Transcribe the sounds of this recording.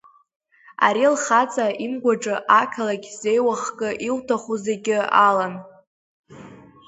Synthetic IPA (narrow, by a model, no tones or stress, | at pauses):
a̰ɾilχat͡sʼaimɡʷaʈ͡ʂʼɨʔakʲʰalaɡʲze̞jwaχkʼɨʔiltʰaχuzeɡʲɪalan